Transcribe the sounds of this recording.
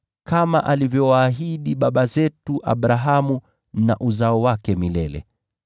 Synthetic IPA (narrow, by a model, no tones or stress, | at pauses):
kamaʔalivjɔwaːɦiɗiɓaɓazɛtuʔa̰ɓɾaɦamu | na̰ʔuzaɔwakɛmilɛlɛ̰